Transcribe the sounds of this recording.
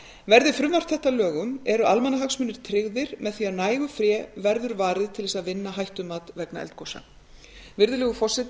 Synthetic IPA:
vɛɾðɪfɾʏmvar̥t̪θɛht̪alœːɣʏmɛɾʏʔalmanaɦaksmʏnɪɾ̥t̪ʰɾɪɣðɪɾmɛðθiaðnaːjɣʏfɾjɛːvɛɾðʏɾvaːɾɪðt̪ʰɪlðɛsaðvɪnːaɦajht̪ʏmaːt̪vɛkna̰ɛ̰lt̪̚kʰowsa̰ | vɪɾðʏlɛːɣʏfɔsɪt̪

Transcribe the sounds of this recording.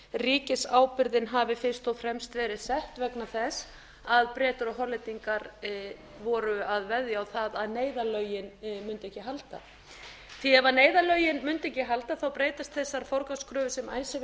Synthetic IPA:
riːcɪsaːwpɪɾðɪnɦaːvɪfɪn̥st̪ɔwfɾɛmst̪vɛːɾɪðsɛht̪vɛknaθɛs | aðpɾɛːt̪ʏɾɔɦɔlɪt̪iŋkaɾ | vɔɾʏaðvɛðjaːwθaðaðneːjðalœɥjɪnmʏnt̪ɪɛhcːɪɦalt̪a̰ | θiɛvaneːjðalœɥjɪnmʏnt̪ɛhcɪɦalt̪aθawpɾeːjt̪ast̪θɛsːaɾ̥fɔɾkaskɾʏːvʏsɛma̰ːjsɪ

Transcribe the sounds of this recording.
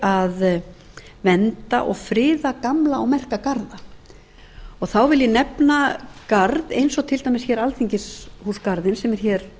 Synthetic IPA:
að | vɛnt̪aʔɔɣfɾɪːðakamlaɔwmɛr̥kakaɾða | ɔɣθawvɪljɛnɛpnakaɾðejnsɔɣt̪ʰɪlt̪ajmɪsçɛɾalθiɲcɪshuːskaɾðɪnsɛmɛɾ̥çɛɾ̥

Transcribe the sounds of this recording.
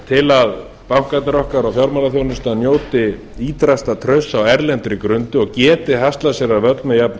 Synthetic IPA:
t̪ʰɪlað | pawhkat̪ɪɾɔhkaɾɔɣfjawɾmalaθjownʏst̪anjoːwt̪ɪ | iːt̪ɾast̪at̪ʰɾœɥsːawɛɾlɛnt̪ɾikɾʏnt̪ʏɔɣcɛːt̪ɪhast̪lasjɛɾavœt̪lmɪjapn

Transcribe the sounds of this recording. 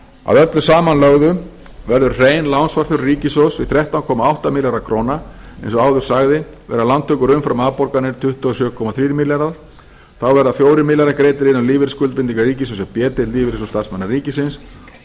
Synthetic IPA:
a̰ðœt̪lʏsaːmanlœɣðʏ | vɛɾðʏɾreːjnlawnsvaɾ̥θʏɾːiːcɪsowsvɪθɾjɛht̪awnkʰɔːmaawht̪amɪljaɾakʰɾoːnaḛjnsɔaːwðʏɾ̥saɣðɪvɛ̰ɾalant̪ʰːʏːkʏɾʏmfɾamaːðpɔɾkanɪɾ̥t̪ʰʏht̪ʏasjʏːkʰɔmaθɾiːɾmɪljaɾaðɾ | θawvɛɾðaθfjoːwɾɪɾmɪljaɾakɾeːjt̪ɪɾɪnːawliːvɪɾɪskʏlt̪pɪnt̪iŋkariːcɪs̬osɛpjɛːt̪ɪt̪liːvɪɾɪsost̪arsmɛnːariːcɪsɪns

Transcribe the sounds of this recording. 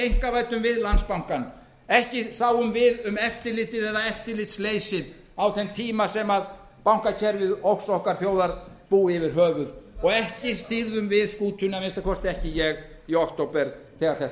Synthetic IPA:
ejŋ̥kavaːjt̪ʏmvɪðlanspawŋ̥kan | ɛhcɪsaːwʏmvɪðʏmɛft̪ɪlɪt̪ɪðɛðaɛft̪ɪlɪt̪sleːjsɪð | awθɛnt̪ʰiːmasɛmað | pawŋ̥kacʰɛɾvɪðowksɔhkaɾ̥θjoːwðaɾ | puːɪvɪɾ̥ɦœːvʏðɔɣɛhcɪst̪iɾðʏmvɪðskuːt̪ʰʏnamɪnst̪akʰɔst̪ɪɛhcɪjɛɣ | iɔkt̪owpɛɾ | θɛːɣaɾ̥θɛht̪

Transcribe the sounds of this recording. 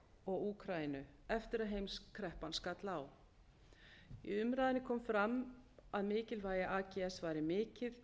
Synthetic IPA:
ɔɣuːkʰɾajɪnʏɛft̪ɪɾaðɦejmskʰɾɛhpanskat̪law | ḭʏmɾaːðɪnɪkʰɔːmfɾamaðmɪːcɪlvaːjɪʔaːcɛɛsvaːjɾɪmɪːcɪð

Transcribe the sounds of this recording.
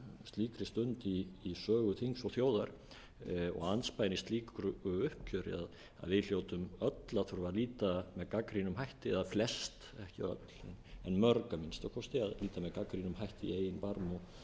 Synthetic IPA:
st̪liːkɾɪst̪ʏnt̪iːsœːɣʏθiŋsɔɣθjoːwðaɾ̥ | ɔ̰ɣanspajnist̪liːkɾʏʏhpcʰœːɾɪ̰að | a̰ðvɪðljowt̪ʏmœt̪laθuɾvaɾliːt̪amɛðkakɾinʏmɦajht̪ɪɛðaflɛst̪ | ɛhcɪœ̰t̪l̥ɛ̰nɛnmœɾkamɪnst̪awkʰɔst̪ɪaðliːt̪amɛðkakɾinʏmhajht̪ɪḭeːjɪnpaɾmɔ

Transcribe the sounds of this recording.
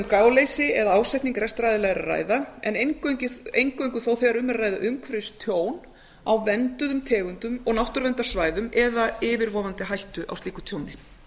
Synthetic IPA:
mkaːwlejsɪɛðaaːwsajt̪niŋkɾɛst̪ɾajðɪlɛɣɾa̰ra̰ːjðaɛ̰nejŋkcɪejŋkœɥjŋkʏθowθɛɣaɾʏmːɛɾrːaːjða̰ʔʏmkʰvɾɪst̪ʰjoːwn | awvɛnt̪ʏðʏmt̪ʰɛːɣʏnt̪ʏmɔɣnawht̪ʏɾvɛnt̪asvaːjðʏmɛðaɪːvɪɾvɔːvant̪ɪɦajht̪ʏʔa̰wst̪iːkʏ̥t̪ʰjoːwnɪ

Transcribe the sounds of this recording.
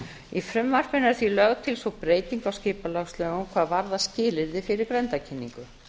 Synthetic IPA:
ifɾʏmːar̥pɪnːaɾθilœɣt̪ʰɪlsɔpɾeːjt̪iŋkawscɪːpalaɣslœːɣʏmkʰvaːðvaɾðascɪːlɪɾðɪfɪɾɪɾkɾɛnt̪acʰɪnːiŋkʏ

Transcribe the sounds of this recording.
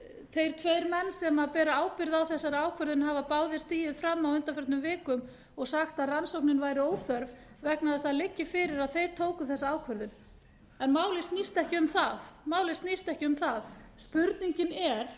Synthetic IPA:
θejɾ̥t̪ʰvejɾmɛnːsɛmapɛːɾaaːwkɪɾðawθɛsːaɾaːwkʰvœɾðʏnɦavapaːwðɪ̥st̪iːjɪðfɾamːawʏnt̪afœɾt̪nʏmvɪːkʏm | ɔɣsaxt̪aðransowknɪnvaːjɾɪoːwθœɾv | vɛknaðast̪aðlɪcːɪfɪːɾɪɾaðθejɾ̥t̪ʰoːwkʏθɛsːaaːwkʰvœɾðʏn | ɛnmaːwlɪst̪nist̪ɛhcɪʏmθaðmaːwlɪst̪nist̪ɛhcɪʏmθaðspʏɾt̪niɲcɪnɛɾ̥

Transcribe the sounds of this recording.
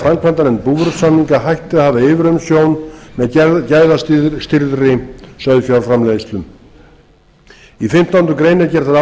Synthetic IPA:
fɾaŋkʰvant̪anɛnpuvʏɾʏt̪sanniŋkaɦajht̪ɪðahavðaɪːvɪɾʏmsjownmɛðcaːjðast̪ɪst̪ɪɾðrɪsœðfjawɾfɾamlejɪst̪lʏm | ifɪm̥t̪awʏnt̪ʏkɾejnɛɾcɛɾ̥t̪ʰaða

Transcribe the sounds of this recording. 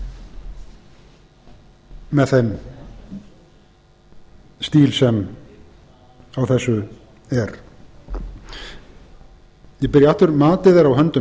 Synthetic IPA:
ɛðθejm | st̪iːlsɛm | awθɛsːʏ | ɛɾ | jɛpɪɾjaaht̪ʏɾmaːt̪ɪðeɾawɦœnt̪ʏ

